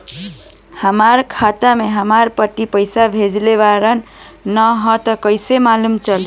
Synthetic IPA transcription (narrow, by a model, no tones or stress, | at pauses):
həmaɾkʰat̪ameɦəmaɾpəʈ̪ːipəjsabʱed͡ʒleβaɾənː | əɦɔt̪əkəjsemalumt͡ʃəl